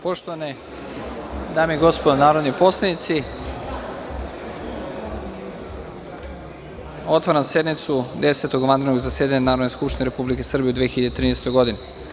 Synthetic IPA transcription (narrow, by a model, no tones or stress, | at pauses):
po̞ʃt̪oʋane | d̪aːmeiɡo̞spod̪anaːɾod̪nipo̞slenit̪si | o̞t̪ʋaɾamse̞d̪mit̪sud̪eset̪oɡʋand̪ɾnoɡzased̪aɲanaːɾod̪neskupʃt̪ineɾe̞publikesr̩bijeud̪ʋeçiʎad̪et̪ɾiːnest̪ojɡo̞d̪ine